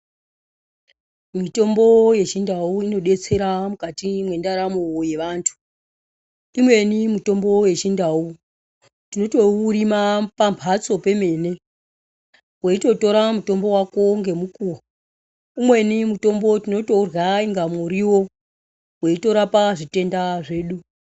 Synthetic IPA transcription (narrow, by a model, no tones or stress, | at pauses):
mito̞mbo̞je̞t͡ʃindauino̞ɗe̞t͡se̞ɾamukatimwe̞ndaɾamoje̞ʋaːntʰu̥ | imwe̞nimuto̞mbo̞we̞t͡ʃindau | tino̞to̞urimapampʰat͡so̞pe̞me̞ne̞ | weito̞to̞ɾamuto̞mbo̞wako̞ŋɡe̞mukuo | imwe̞nimuto̞mbo̞tino̞to̞rɣaiŋɡamuɾiwo̞ | weito̞ɾapaʐite̞ndaʐe̞ːɗu